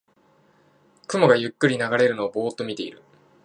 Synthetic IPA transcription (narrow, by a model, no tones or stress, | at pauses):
kɯ̟mo̞ɡajɯ̟kːɯ̟ɾʲinaɡaɾe̞ɾɯ̟no̞ːbo̞ːt̪ːo̞mʲit̪e̞ḭɾɯ̟